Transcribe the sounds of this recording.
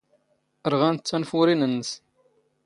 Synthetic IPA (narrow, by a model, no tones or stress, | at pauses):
əɾʁænt͡sːænfʊɾinənːəs